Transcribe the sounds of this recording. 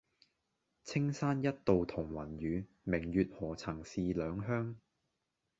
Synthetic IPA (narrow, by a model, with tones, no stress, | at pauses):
t͡sʰɪ˥ŋsaː˥njɐ˥t̚t̪o˨wt̪ʰʊ˨˩ŋwɐ˨˩nɥyː˨˧ | mɪ˨˩ŋjyː˨t̚hɔː˨˩t͡sʰɐ˨˩ŋsiː˧lœː˨˧ŋɦœː˥ŋ